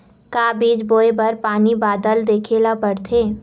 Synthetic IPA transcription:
kaːbiːd͡ʒboːebɐɾpaːnibaːd̪əld̪eːkʰeːlapəɽt̪ʰeː

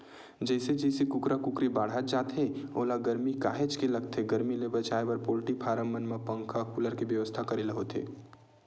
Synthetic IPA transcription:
d͡ʒɛːsed͡ʒɛːsikʊkɾakʊkɾibaːɽ̤at̪̚d͡ʒaːt̪ɦeoːlaɡɐɾmikaːɦet͡ʃkelɐɡ̚t̪ʰeɡəɾmilebɐt͡ʃaːebəɾpoːlʈipʰaːɾəmːənmẽpə̃ŋkʰakuləɾkeʋjəʋəst̪ʰakɐɾiləɦot̪ḛː

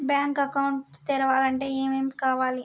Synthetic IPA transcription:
bjaːŋkɐkɐwuɳʈt̪iɾɐʋaːlɐɳʈe̞ːeːmeːmikaːʋaːli

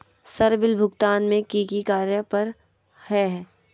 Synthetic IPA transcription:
sɐɾbɪlbʱʊɡt̪aːnmẽkikikaːɾjəpɐɾ | hɛɦɛː

